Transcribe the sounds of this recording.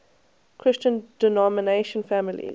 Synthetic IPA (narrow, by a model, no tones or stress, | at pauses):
kʰɹ̥ɪst͡ʃə̃nd̥ɛnɔməneɪʃə̃nfæmɪlḭ